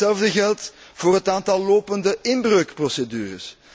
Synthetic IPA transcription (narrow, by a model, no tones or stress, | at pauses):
ɛlˠvdəɣɛlˠt | v̥oːrɦətaːntɑlˠːoːpəndəɪnbrøːkprosedyːrə̰s